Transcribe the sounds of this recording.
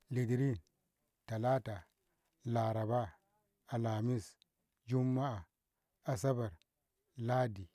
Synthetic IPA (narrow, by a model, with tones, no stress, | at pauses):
li˨di˨ɾi˦n | ta˨la˦ta˨ | la˨ɾa˨ba˦ | a˨la˨mi˦s | d͡ʒu˦mːa˦a˨ | a˨sa˦ba˨ɾ | la˦di˨